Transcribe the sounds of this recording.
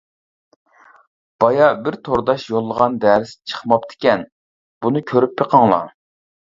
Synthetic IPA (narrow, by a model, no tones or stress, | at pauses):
b̥ɑjɑbɪɾt̪ʰoɾd̪ɑʃjolˠːəʁɑnd̪æɾɪst͡ʃʰə̥χmɑpt̪ʰɪ̥kʲɛn | b̥unɨkʲʰøɾypʰːeqʰɑŋlˠɑ̰